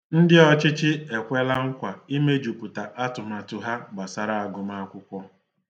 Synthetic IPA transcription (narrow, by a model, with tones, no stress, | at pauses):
n̩˦dɪ˦ɔ˦t͡ʃɪ˦t͡ʃɪ˦e˨kʷe˦la˦ŋ̩˦kʷa˨i˦me˦d͡ʒu˨pʊ˨ta˨ʔa˦tʊ˨ma˨tʊ˨ɦa˦ɡ͡ba˨sa˨ɾa˨a˨ɡʊ˨ma˦kʷʊ˦kʷɔ˦